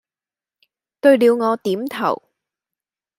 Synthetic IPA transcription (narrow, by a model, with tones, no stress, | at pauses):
t̪ɵ˧ɥliː˨˧wŋɔː˨˧t̪iː˨˥mt̪ʰɐ̰˨˩w